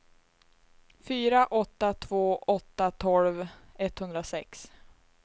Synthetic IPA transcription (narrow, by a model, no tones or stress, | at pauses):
fyːɾaʔɔt̪ːat̪ʰvoːʔɔt̪ːat̪ʰɔlvɛt̪hɵnd̪ɾasɛks